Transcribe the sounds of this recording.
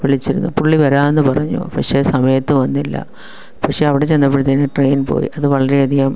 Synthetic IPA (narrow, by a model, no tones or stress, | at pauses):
ʋiɭit͡ɕːiɾunːupuɭːiʋɐɾaːenːɨpɐrɐɲːṵpɐkʂe̞ːsɐmɐjɐt̪ːɨʋɐnːilːɐ̰ | pɐkʂeɐʋiɽe̞t͡ɕe̞nːɐpːeɽit̪ːɐnːeʈreːjnpo̰ːjḭʔɐðɨʋɐɭɐɾeɐd̪ijaːm